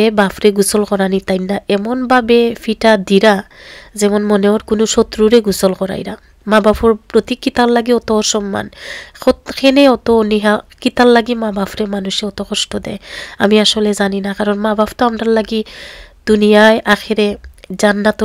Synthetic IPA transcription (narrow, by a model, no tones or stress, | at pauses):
ɛbapʰɾeɡusɔlkɔɾanit̪ajnːaʔɛmɔnbabɛpʰiʈad̪iɾazɛmɔnmɔneɔɾkunuʃɔt̪ɾuɾeɡusɔlkɔɾa̰jɾa | mabapʰɔɹpɾot̪ikːit̪allaɡiɔt̪ɔsɔmːa̰nʰɔt̪kʰeneɔt̪ɔniɦakit̪allaɡimabapʰɾemanuʃɛɔt̪ɔkʰɔstɔd̪ɛ̰ja̰miaʃɔlɛzaninakaɾɔnmabapʰt̪ɔamdaɹlaɡid̪̥unijajʔaxʰeɾɛzanːat̪ɔ